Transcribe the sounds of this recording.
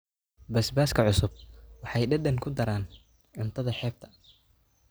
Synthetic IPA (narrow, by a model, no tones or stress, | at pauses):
bɐsbaːskʰɐʕʊsʊb̚wɑħɑjɖɐd̪ɐŋkʰʊd̪ɐɾaːn | ʕʊnt̪ʰɐðɐħɛːb̚t̪ʰɐ̥